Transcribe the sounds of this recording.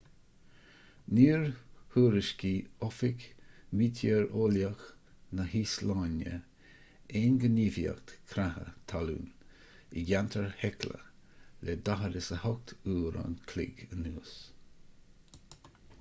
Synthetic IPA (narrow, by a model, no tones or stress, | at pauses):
niːɹhuːɾɪʃkiɔfɪkmiːt̪ʰəɹoːljax | nəhislanjə̰ | eːnɡəniːvja̰kt̪kʰɾahə̰t̪ʰalṵːn | iɡant̪ʰəɹhɛklə̰lɛd̪aɦəɾɪsəhɔk̚t̪ʰuːɾa̰nkʰlɪ̰ɡənuːs